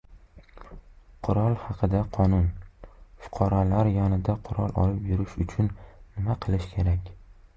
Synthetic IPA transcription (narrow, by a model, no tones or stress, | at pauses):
qʰʊɾɒlˠhɑqʰɨd̪aqʰɒnʊnfʊ̥qʰɑɾɒlaɾjɒnɪd̪aqʰʊɾɒ̰lˠʔɒ̰lɪpjʊɾɪʃʊt͡ʃʰʊnːɪmaqʰɨlˠɪʃkʲʰe̞ɾakʲ